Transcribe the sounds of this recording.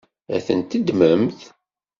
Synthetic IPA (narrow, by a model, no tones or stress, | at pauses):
æ̰θənt̪əd̪məmθ